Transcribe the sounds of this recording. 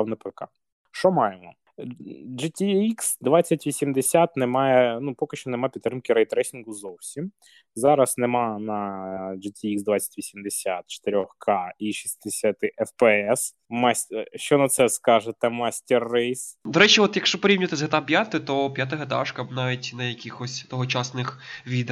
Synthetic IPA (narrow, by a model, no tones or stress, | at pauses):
wnɐpɪkɑ̰ | ʃɔmɑjemɔ | d͡ʒɪtʲiiksd̪ʋɑtt͡sʲːɐtʲʋʲisʲimd̪esʲat̪nemɑjɛnupɔkɪʃt͡ʃɔnemɑpʲit̪t̪ːɾɪmkɪɾɛjt̪ːɾɛsʲinɡʊzɔwsʲim | zɑɾɐsnemɑnɐd͡ʒɪtʲiiksd̪ʋat͡sʲːɐ̥tʲʋʲisʲimd̪esʲat̪̚t͡ʃe̥t̪eɾʲɔxkʰɑiʃisd̪esʲat̪ɪʔɛfpɛɛs | mɑsʲʃt͡ʃɔnɐt̪sɛskɑʒet̪ɛmɑsʲtʲɛrːɛjsd̪ɔɾɛt͡ʃiɔt̪jɐkʃt͡ʃɔpɔɾʲiwnʲɪt̪ɪzɦɐt̪apʲjat̪ɪt̪ɔpʲjat̪̬ɐɦɐt̪a̰ʂkɐbnɑʋʲitʲnɐjɐkʲixɔsʲt̪ɔɦɔt͡ʃasnɪxʋʲid̪